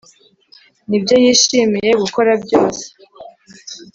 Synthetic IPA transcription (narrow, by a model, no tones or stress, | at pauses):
nibjo̞jiːʃiːmije̞ɡuko̞ɾabɟo̞ːse̥